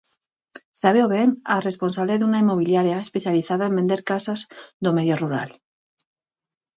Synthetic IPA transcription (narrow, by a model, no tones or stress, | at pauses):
saβewβeŋaresponsaβleðuŋaimoβ̞iljaɾjaespeθjaliθaðaembend̪eɾkasazðomeðjoruɾa̰l